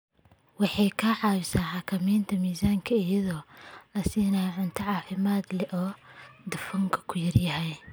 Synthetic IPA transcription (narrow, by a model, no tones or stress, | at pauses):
wɑħɑjkʰɐʕɑːwɪsaːħɑkʰɐmɛːnt̪ʰɐmiːsaːŋkʰɐɪjɐðɔːlɐsiːnɐʕʊnt̪ʰɐʕɑːfɪmaːd̪lɛʔɔːd̪ɐfɐŋkʰɐ̥kʰʊjɐrjɐɦɛj